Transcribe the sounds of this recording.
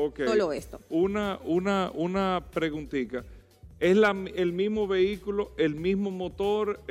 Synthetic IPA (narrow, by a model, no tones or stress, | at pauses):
okeoloest̪ounaunaʔunapɾe̞ɣunt̪ika | e̞slaelmizmo̞βe̞ikuloe̞lmizmo̞mo̞t̪o̞ɾ